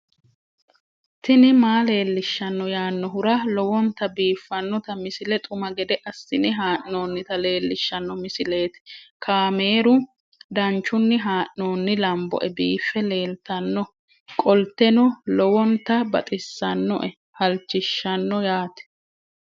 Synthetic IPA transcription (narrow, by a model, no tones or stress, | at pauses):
t̪ɪnɪmaːle̞ːlːɪʃːɐnːɔjaːnːɔɦʊɾɐlɔwɔnt̪ɐbiːfːɐnːɔt̪ɐmɪsɪlɛt̪ʼʊmɐɡɛd̪ɛʔɐsːɪnɪɦaːʔnoːnːɪt̪ɐle̞ːlːɪʃːɐnːɔmɪsɪle̞ːt̪ɪ̥kʰaːme̞ːɾʊ | d̪ɐnt͡ʃːʊnːɪɦaːʔno̞ːnːɪlɐmbɔ̰ʔɛbiːfːɛle̞ːlt̪ɐnːɔ | kʼɔlt̪ːɛnɔlɔwɔnt̪ɐbɐt̪ʼɪsːɐnːɔ̰ʔɛ | hɐlt͡ʃːɪʃːɐnːɔjaːt̪ɛ̥